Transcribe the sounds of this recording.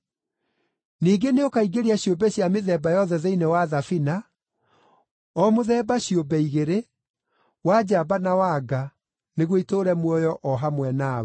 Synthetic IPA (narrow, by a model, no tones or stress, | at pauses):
niːɡeneokaiɡeɾeaɕjobɛɕjameðɛbajɔðɛðeinɛwaðafina | ɔmoðɛːbaɕjobɛiɣeɾe | wad͡ʑaːbanawaɡa | neɣwitoɾɛmwɔjɔʔɔɦamwɛna